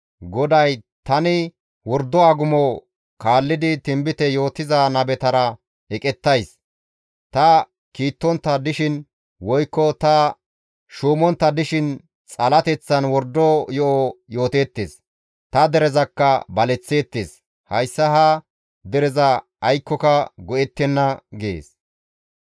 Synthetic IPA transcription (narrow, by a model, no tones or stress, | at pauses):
ɡɔd̪ɐj | t̪ɐnɪ | wɔɾd̪ɔɐɡʊmɔ | kʰaːlːɪd̪ɪt̪ɪmbɪt̪ɛjo̞ːt̪ɪzanɐbɛt̪ɐɾɐ | ɛkʼɛt̪ːɐjs | t̪ɐ | kiːt̪ːɔnt̪ːɐd̪ɪʃɪn | wɔjkːɔt̪ɐ | ʃuːmɔnt̪ːɐd̪ɪʃɪn | t͡sʼɐlɐt̪ɛt͡sːɐnwɔɾd̪ːojɔʔojo̞ːt̪eːt̪ːḛːs | t̪ɐd̪ɛɾɛzɐkːɐbɐlɛt͡sːe̞ːt̪ːeːs | hɐjsːɐɦa | d̪ɛɾɛzɐ | ɐjkːɔkɐɡɔʔɛt̪ːɛnːɐɡɪḛːs